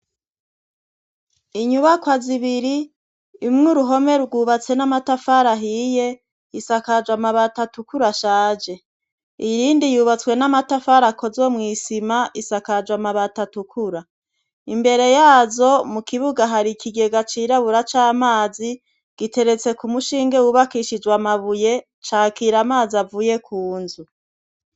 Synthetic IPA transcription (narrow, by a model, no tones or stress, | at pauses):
iɲuβakwaziβiɾiː | mŋuɾuɦo̞me̞ɾuɡuːβat͡se̞namatafaɾaɦiːje̞ | isakad͡ʒwamaβatatukuɾaʃaːd͡ʒe̞ | ijiːndijuβat͡swe̞namatafaɾako̞zo̞mŋiːsimaʔisakad͡ʒwamaβatatukʰuɾa | imbe̞ɾe̞jaːzo̞mukiβuɡaɦaɾikʰiɡe̞ɡat͡ʃiːɾaβuɾat͡ʃaːmaːzi | ɡ̥ite̞ɾe̞t͡se̞kumuʃiːŋɡe̞wuβakiʃid͡ʒwamaβuje̞ | t͡ʃaːkiɾamaːziavuːje̞kʰuːnzu